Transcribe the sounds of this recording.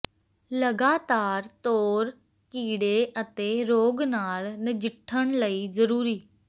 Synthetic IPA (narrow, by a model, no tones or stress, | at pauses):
ləɡaːt̪aːɾt̪oːɾ | kiːɽeːʔət̪eːɾoːɡnaːlnɪd͡ʒɪʈʰːəɳləiːzəɾuːɾiː